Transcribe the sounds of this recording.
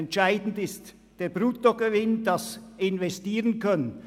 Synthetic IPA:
ɛntʃaɪdn̩tɪst | d̥eːɐbʁuːtoɡəvɪndɑsɪnvɛstiːʁənkʰœnən

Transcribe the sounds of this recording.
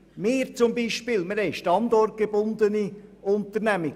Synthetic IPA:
meːɾt͡sʊmbiːʃpiːlməɾhɛɪʃtɑnd̪ɔrt̚ɡ̥eb̥ʊnd̪əniʊnt̪əɾnæmɪ

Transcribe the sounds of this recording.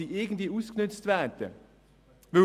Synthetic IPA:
iːʔeːɡən̩t̪lɪuːsknʏt̪st̪ʋæːɾt̪ə̰ | ʋɪ

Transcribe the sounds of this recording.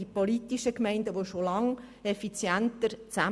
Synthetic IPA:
ipolitiʃəkmɛɪndəʋoʃolɑŋ | ɛfit͡sjæntəɾt͡sæ

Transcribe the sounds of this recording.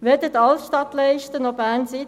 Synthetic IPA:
ʋed̥̪ətɑlsʃtɑt̪lɛɪʃtənɔbæːnsi

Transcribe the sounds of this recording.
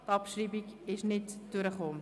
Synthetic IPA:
tɑpʃriːbiɡɪʃnɪtd̥ʉɾəχoː

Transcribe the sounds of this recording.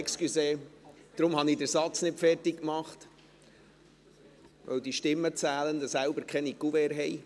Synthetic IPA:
kskyseːd̪̥ɾʊmhɑnidəɾsɑt͡snɪtfɛrtɪkkmɑχt̪ | ʋœ̰wd̪iʃtɪmːət͡sæːlənd̪əsælbəɾkχɛnikuvɛɾɦɛj

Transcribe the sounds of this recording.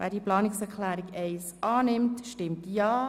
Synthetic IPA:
vɛ̰ːdiːplɑːnɪksɛʁkʰlæːɾɪɡɛɪsɑːnɪmtʃtɪmtjɑː

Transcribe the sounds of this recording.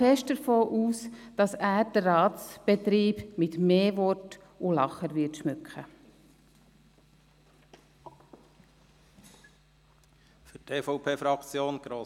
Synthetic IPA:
ɛʃtdəɾfoːʔuːsd̥ɑsæːɾd̥əɑːt̪t͡sb̥et̪ɾiːbmɪtmeːvɔt | ʊlɑχəɾvɪtʃmʏkχə | fytʰeːfɔʊpʰeːfɾɑkt͡sjoːnɡ̥ɾoː

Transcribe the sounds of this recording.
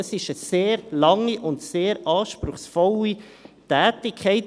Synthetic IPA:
əsɪʃəseːɾlɑŋːiʔʊntseːɾɑːʃpɾʊχsfɔli | tæːtɪkʰχɛɪt

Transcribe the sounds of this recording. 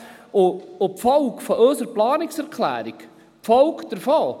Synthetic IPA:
oopfɔwkfɔʔøsəɾplɑːnɪksɛɾkʰlæ̰ːɾik | pfɔwkd̥̪əɾfɔː

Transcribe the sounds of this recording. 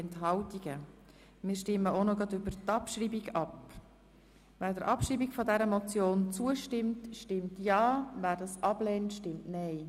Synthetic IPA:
ɛntɦɑltiɡ̥ə | mɪːɾʃtɪmːəonoɡɑdʏbəɾtɑpʃriːbiɡɑp | væːɾdəɾʔɑpʃɾiːbiɡfɔdɛɾəmot͡sjoːnt͡suəʃtɪmtʃtɪmtjɑːvæːɾdɑsʔɑb̥lɛːntʃtɪmtnɛɪ

